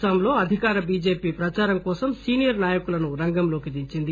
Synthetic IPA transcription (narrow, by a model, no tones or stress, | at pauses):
ɐːmlo̞ːɐd̪ʱikaːɾɐbiːd͡ʒe̞ːpiːpɾɐt͡ʃaːɾɐmkɔːsɐmsiːnijɐɾnaːjɐkulɐnuɾɐŋɡɐmloːkid̪iɲt͡ʃind̪i